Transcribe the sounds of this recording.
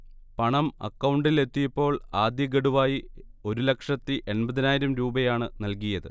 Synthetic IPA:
pɐɳɐmɐ̰kːɐwɳɖile̞t̪ːijɐpːo̞ːɭaːd̪jɐɡɐɽuʋaːjio̞ɾulɐkʂɐt̪ːiʔenbɐðinaːjiɾɐmɾuːbɐjaːɳɨnɐlkijɐðɨ̰

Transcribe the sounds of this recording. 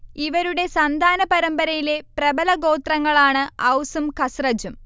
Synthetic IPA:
iʋɐɾuɽe̞sɐnd̪ʱaːnɐpɐɾɐmbɐɾɐjile̞prɐbɐlɐɡo̞ːt̪rɐŋːɐɭaːɳɨɐwsumkɐsrɐd͡ʑum

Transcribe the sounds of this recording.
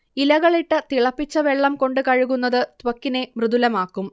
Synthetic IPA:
ilɐɣɐɭiʈːɨt̪iɭɐpːit͡ɕːɐʋeɭːɐmko̞ɳɖɨkɐɻuɣunːɐðɨt̪ʋɐkːine̞mrɨðulɐmaːkːum

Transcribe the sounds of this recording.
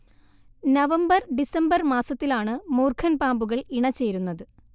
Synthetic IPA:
nɐʋɐmbɐrɖisɐmbɐrmaːsɐt̪ːilaːɳɨmoːrkʰɐnpaːmbuɣɐɭiɳɐt͡ɕːe̞ːɾunːɐðɨ

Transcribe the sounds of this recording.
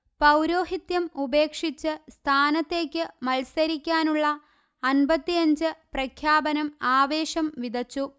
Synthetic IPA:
pɐwɾo̞ːɦit̪jɐmube̞ːkʂit͡ɕːɨst̪ʰaːnɐt̪ːe̞ːkʲːɨmɐlsɐɾikʲːaːnuɭːɐː | nbɐt̪ːiɐɲd͡ʑɨprɐkʰjaːbɐnɐmaːʋe̞ːɕɐmʋid̪ɐt͡ɕːu

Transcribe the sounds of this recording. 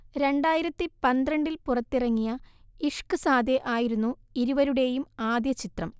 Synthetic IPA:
ɾe̞ɳɖaːjiɾɐt̪ːipɐnd̪ɾɐɳɖilpurɐt̪ːirɐŋːijɐiʂkɨsaːd̪eʔaːjiɾunːuiɾuʋɐɾuɽe̞ːjumaːd̪jɐt͡ɕit̪rɐm

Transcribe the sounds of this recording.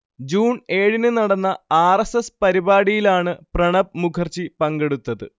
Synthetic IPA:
d͡ʑuːne̞ːɻinɨnɐɽɐnːɐaːresespɐɾibaːɽijilaːɳɨprɐɳɐb̚mukʰɐrt͡ɕipɐŋɡe̞ɽut̪ːɐðɨ

